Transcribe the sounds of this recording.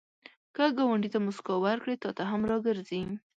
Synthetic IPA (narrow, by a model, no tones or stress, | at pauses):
kəɡɑwaɳɖit̪amʊskɑwaɾkɽet̪ɑt̪aɦamɾɑɡəɾzi